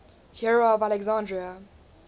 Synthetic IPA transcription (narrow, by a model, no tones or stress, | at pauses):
hiɹovalɛɡzãndɹiə